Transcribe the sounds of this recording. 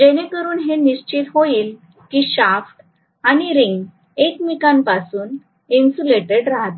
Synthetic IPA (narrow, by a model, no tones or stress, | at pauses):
d͡ʑenekəɾuːnɦeniɕt͡ɕit̪ɦoiːl | kiːɕafʈ | aɽ̃iɾiŋɡ | ekmikanpasuːn | insuleʈeɽɾaɦat̪